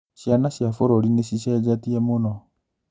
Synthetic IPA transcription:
ʃjanaʃjafoɾoɾineʃiʃɛd͡ʒatiɛmonɔ

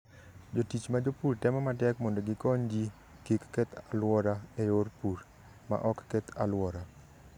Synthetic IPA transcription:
d͡ʒotit͡ʃmad͡ʒopurtɛmɔmatɛkmɔndɔɡɪkɔɲd͡ʒi | kikːet̪alwɔɾaeɾorpuɾ | ma̰ʔɔkːɛt̪alwɔɾa

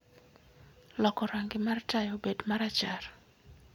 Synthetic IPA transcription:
lɔkɔɾaŋɡɪmartajobedmaɾat͡ʃar

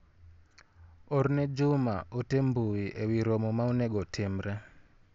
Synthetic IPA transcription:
ɔɾnɛd͡ʒumaʔotembuiʔewiɾomɔmaunɛɡɔtʰɛmɾɛ

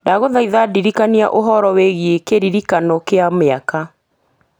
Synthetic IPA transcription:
daɣoðaiðadiɾikania̰ʔoɦɔɾɔweɣiekeɾiɾikanɔkeameaka

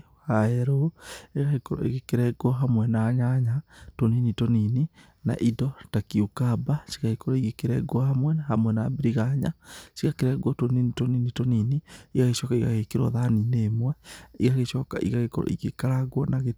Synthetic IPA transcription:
haɛɾoeɣaɣekɔɾɔ̰ḛɣekeɾɛɡwɔɦamwɛnaɲaɲatoninitonini | na̰ʔidɔtakiukabaʃi̥ɣaɣekɔɾɔiɣekeɾɛɡwɔhamwɛnahamwɛnabeɾiɣaɲa̰siɣakeɾɛɡwɔtoninitoninitoniniiɣaɣeʃɔkaiɣa̰ɣekeɾɔ̰ðanineːmwɛiɣaɣeʃɔka̰ʔḭɣaɣekɔɾɔ̰ḭɣekaɾaɣwɔnaɣe

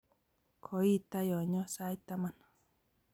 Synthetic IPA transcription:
kʰoit̪ajoɲosajt̪amanḁ

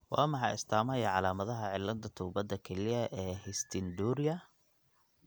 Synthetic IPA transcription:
wɑ̰ːmɑħɑjɪ̰st̪ʰaːmɐjɐʕɑlaːmɐðɐɦɐʕɪlːɐnd̪ʰɐt̪ʰuːbɐd̪ɐkʰɛlɪjɐʔɛːhɪst̪ʰɪnd̪uːɾɪjɐ

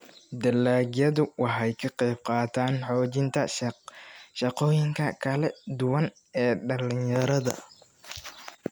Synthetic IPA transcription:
d̪ɐlːaːɡjɐðʊwɑħɛjkʰɐqɛjb̚qɑːt̪ʰaːnħɔːt͡ʃɪnt̪ʰɐ | ʃɐqɔːjɪŋkʰɐkʰɐlɛd̪ʊwɐn | ɛːɖɐlɪɲjɐɾɐðɐ̰

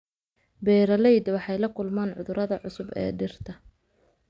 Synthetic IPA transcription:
bɛːɾɐlɛjd̪wɑħɑjlɐkʰʊlmaːnʕʊðʊɾʔɐðɐʕʊsʊbɛ̰ːɖɪrt̪ʰɐ

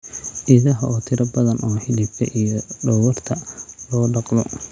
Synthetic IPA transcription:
ʔiðɐɦɐɔːt̪ʰɪɾɐbɐðɐnʔɔːħɪlibkʰɐ̰ʔijɔɖɔwɐrt̪ʰɐlɔːɖɑqlɔ̰

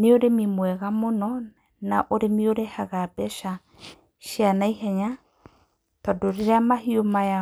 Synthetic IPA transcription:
neoɾemimwɛɣamonɔ | naʔoɾemioɾehaɣabɛʃa | ʃianaiɦɛɲa | tɔdoɾeɾeamahiomaja

